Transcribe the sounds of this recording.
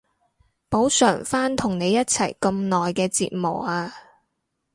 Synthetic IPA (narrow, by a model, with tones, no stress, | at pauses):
po˨˥wsœː˨˩ŋfaː˥nt̪ʰʊ˨˩ŋne˨˧jːɐ˥t̚t͡sʰɐ˨˩jkɐ˧mnɔː˨jkɛː˧t͡sḭː˨˧t̚mo˨˩waː˧